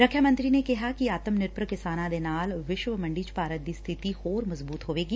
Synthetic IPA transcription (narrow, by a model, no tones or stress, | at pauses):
ɾɐkʰːjamə̃nt̪ɾinekɛɦakiaːt̪əmnɪɾpɾəkɪsaːnãd̪enaːlʋɪʃʋəmɐ̃ɳɖiːt͡ʃpaːɾət̪̚d̪ist̪ʰɪt̪ihoːɾmɐzbuːt̪ɦoːʋeːɡiː